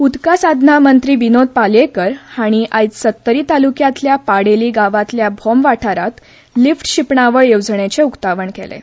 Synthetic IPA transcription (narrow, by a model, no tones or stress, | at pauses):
ud̪kasad̪ʱnamənt̪ɾiːʋinod̪̚palekəɾhaɽ̃iʔajt͡s̪sət̪ːəɾiːt̪alukjat̪ljapaɽeliːɡaʋat̪ljabʱɔmʋaʈʰaɾat̪ | lifʈɕipɳaʋəɭjoʋd͡zɳet͡seukt̪aʋəɳkḛlḛ